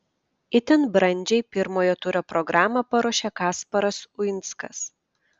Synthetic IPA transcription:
ɪt̪ʲɛnbɾɐnʲˑd͡ʒʲɛɪpʲɪɾmoːjoːt̪ʊɾʲoːpɾɔɡɾɑːmɐpɐɾoɔʃʲekɑːspɐɾɐsʊɪnˑt̪skɐ̰s

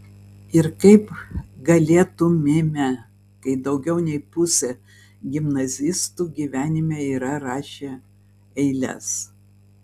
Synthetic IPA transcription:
ɪɾkɐɪpɡɐlʲeːt̪ʊmʲɪmʲɛ | kɐɪd̪ɐʊɡʲɛʊnʲɛɪpʊsʲe | ɡʲɪmnɐzʲɪst̪uːɡʲiːʋʲæːnʲɪmʲeːiːɾɐɾɑːʃʲeː | ɛɪlʲɛ̰s

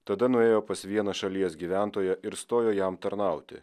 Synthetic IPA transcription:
t̪ɐd̪ɐnʊeːjoːpɐsʋʲiɛnɐʃɐlʲiɛsɡʲiːʋʲæˑnt̪oːjɛʔɪɾst̪oːjoːjɛmt̪ɐɾnɑˑʊt̪ʲɪ̰

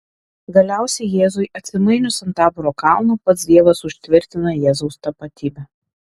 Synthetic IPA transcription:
ɡɐlʲæˑʊsʲɛɪjeːzʊɪʔɐt̪ʲsʲɪmɐɪnʲʊsɐnt̪ɑːpʊɾoːkɑˑʊnuːpɐt̪sd̪ʲiɛʋɐsʊʃʲt̪ʲʋʲɪɾʲt̪ʲɪnɐjɛːzɔʊst̪ɐpɐt̪ʲiːbʲɛ

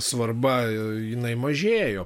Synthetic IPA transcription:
sʋɐrbɐ | jɪnɐɪmɐʒʲeːjoː

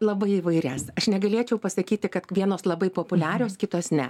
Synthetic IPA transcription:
lˠɐbɐɪiʋɐɪɾʲæːsɐʃnʲɛɡɐlʲiɛt͡ʃʲɛʊpɐsɐkʲiːt̪ʲɪkɐt̪ʋʲiɛnoːslˠɐbɐɪpoːpʊlʲæːɾʲoːskʲɪt̪oːsnʲɛ

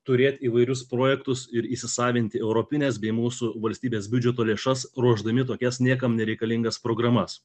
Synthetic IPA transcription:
t̪ʊɾʲeːt̪ʲiːʋɐɪɾʲʊspɾoːjɛkt̪ʊsɪɾiːsʲɪsɑːʋʲɪnʲt̪ʲɪɛʊɾopʲɪnʲɛsbʲɛɪmuːsʊʋɐlʲsʲt̪ʲiːbʲeːsbʲʉd͡ʒʲɛt̪oːlʲeːʃɐsɾuɔʒd̪ɐmʲɪt̪oːkʲɛsnʲiɛkɐmnʲɛɾʲɛɪkɐlʲɪŋɡɐspɾoːɡɾɐmɐs

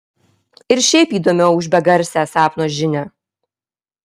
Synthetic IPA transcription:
ɪɾʃʲɛɪpiːd̪oːmʲɛʊʊʒʲbʲɛɡɐɾʲsʲæːsɑːpnoːʒʲɪnʲæ

